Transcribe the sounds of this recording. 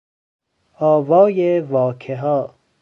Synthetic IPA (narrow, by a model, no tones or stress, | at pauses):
ɒːvɒːjevɒːkʰeɦɔː